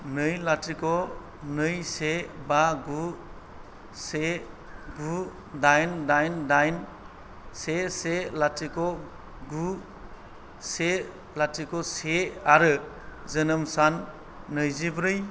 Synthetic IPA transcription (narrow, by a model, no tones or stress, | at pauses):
nɯjlatikɔ | nɯjsebaɡu | se | ɡu | dajndajndajn | seselatikɔ | ɡu | se | latikɔseaɾɯ | zɯnɯmsanː | ɯjzibɾɯj